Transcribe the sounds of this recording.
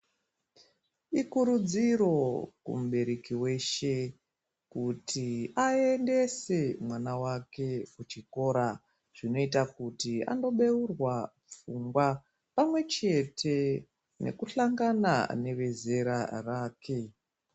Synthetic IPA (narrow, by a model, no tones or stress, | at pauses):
ikuɾud͡ziɾo̞kṵmuɓe̞ɾekiwe̞ʃe̞ | kutʰiae̞nde̞se̞mwanawake̞kut͡ʃiko̞ɾa | ʐ̥ino̞itakutia̰ndo̞ɓe̞urwa | p͡fuŋɡwa | pamwe̞t͡ʃe̞tʰe̞ | ne̞̰kuɬaŋɡana̰ne̞ʋe̞ze̞ɾaraːkʰe̞